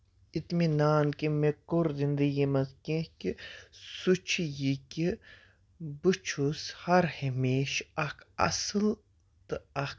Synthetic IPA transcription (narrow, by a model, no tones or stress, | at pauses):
it̪minaːnkimekoɾd̪ind̪ijimɐzkẽkʲisut͡ʃʰijikʲi | bɨt͡ʃʰushɐɾhemiːʃɐkʰɐ̰sɨl | t̪ɨɐk